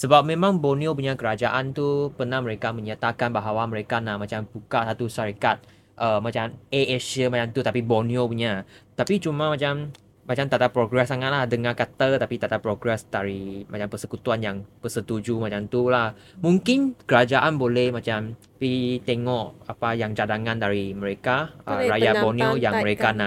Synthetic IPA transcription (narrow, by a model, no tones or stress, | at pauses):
səbap̚mẽmãŋboniop̬uɲakəɾad͡ʒaʔant̪upənahməɾekamə̃ɲat̪akanbaɦawaməɾekanahmãt͡ʃampukasat̪uʃaɾikat̪̚ | ʔəmat͡ʃameɛsəmat͡ʃamt̪ut̪apiboniopuɲat̪apit͡ʃumamat͡ʃam | mat͡ʃamt̪at̪apɾoɡɾɛsaŋat̪̚lahdəŋakat̪ət̪apit̪at̪apːɾoɡɾɛsdaɾimat͡ʃampəsəkut̪uanjaŋpəsət̪ud͡ʒumat͡ʃamt̪ulah | mũŋkɪnkəɾad͡ʒaʔanbolɛhmãt͡ʃam | pit̪ɛŋɔʔapajaŋd͡ʒadaŋãndaɾiməɾekaə̰ɾajaboniojaməɾekana